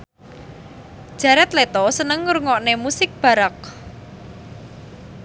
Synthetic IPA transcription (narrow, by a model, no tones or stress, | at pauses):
ʒ̥ä̤ɾɛt̪let̪ɔsənəŋːuɾŋɔʔnemusɪk̚b̥a̤ɾak̚